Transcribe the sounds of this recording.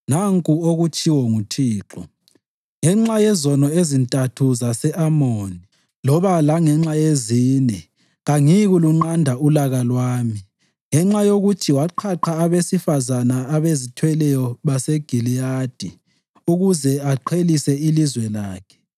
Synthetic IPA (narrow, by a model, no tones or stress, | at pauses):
naŋkʼuoɣut͡ʃʼiwɔŋutʰiːǁɔ | ŋɛŋ͡ǁajɛzɔnɔezintʼatʰuzasɛʔamoni | lɔβalaŋɛŋ͡ǁajeziːnɛ | ɣaŋiɣuluŋ͡ǃandʱaulaɣalwaːmi | ŋɛŋ͡ǁajoɣutʰiwaǃʰaǃʰaːβesifazanaːβezitʰwɛlɛjɔβaseɡ̥ʱilijad̥ʱi | uɣuzɛaǃʰelisɛilizwɛlaːkʰɛ̥